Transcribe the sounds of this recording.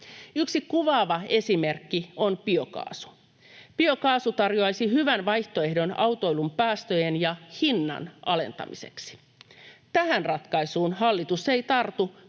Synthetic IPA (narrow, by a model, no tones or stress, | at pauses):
yksikuʋɑːʋɑe̞sime̞rkːio̞npio̞kɑ̰ːsu̥ | pio̞kɑːsut̪ɑrjoɑjsihyʋænʋɑjht̪o̞e̞hdo̞nɑwt̪o̞jlumpæːst̪øjenjɑhinːɑ̰nʔɑle̞̰nt̪ɑ̰mḭse̞̰ksi̥ | t̪æhænrɑt̪kɑisuːnhɑlːit̪use̞jt̪ɑrt̪u